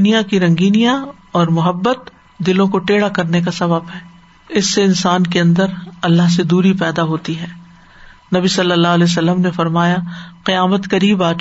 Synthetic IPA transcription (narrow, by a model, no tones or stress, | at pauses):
ʊnijakiɾɐ̃ŋɡiːnijã | ɔːɾmʊɦəbːət̪ | d̪ɪlõkoʈeːɽakɐɾnekasɐbəbɦɛː | ɪsːeɪ̃nsaːnkeɐ̃nd̪əɾɐlːaɦsed̪uːɾipɛːd̪aɦoːt̪iɦɛː | nɐbisɐlːəlːaːɦles̬ɐlːəmnefɐɾmaːjaqɪjaːmət̪kɐɾiːbaː